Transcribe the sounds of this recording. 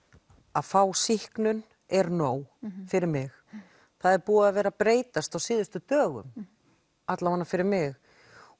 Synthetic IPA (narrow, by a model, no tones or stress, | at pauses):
aðfaːwsihknʏn | ɛɾnoːwfɪɾɪɾmɪx | θaðɛɾpuːaðavɛːɾapɾeːjt̪ast̪awsɪːðʏst̪ʏt̪œːɣʏ̰m | at̪lawanːafɪɾɪɾmɪx